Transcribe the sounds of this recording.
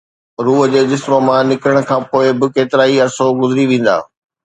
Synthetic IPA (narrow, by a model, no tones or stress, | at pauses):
ɾuːɦəd͡ʑeːd͡ʑɪsmomãnɪkɾəɽ̃kʰãːpoːɪbɪkeːt̪ɪɾaːiɐɾsoɡʊzɪɾiʋẽːn̆d̪a̰ː